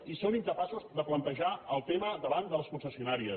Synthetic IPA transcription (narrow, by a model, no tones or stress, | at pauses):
isoniŋkəpasuzðəplənt̪əʒaəlˠt̪eməðəβand̪ələskunsəsiunaɾiə